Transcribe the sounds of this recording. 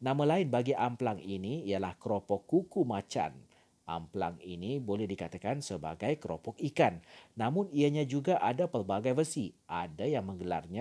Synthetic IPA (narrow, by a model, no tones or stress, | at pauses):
namalaɪnbaɡiʔamplaŋiniːjalahkɾɔpɔkːukumat͡ʃa̰n | ʔa̰mpla̰ŋinibolɛhdikat̪akansəba̰ɡajkɾɔpɔkikanːamʊniaɲad͡ʒuɡaʔadapərbaɡajvərsiʔadajaŋmə̃ŋɡəla̰rɲa